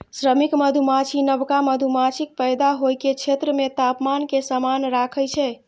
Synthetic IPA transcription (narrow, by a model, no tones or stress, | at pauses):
sɾəmikməd̪ʱumat͡ʃʰinəbkaməd̪ʱumat͡ʃʰik̚pəjd̪aɦojket͡ʃʰet̪ɾəmet̪apmankesamanɾakʰəjt͡ʃʰɛ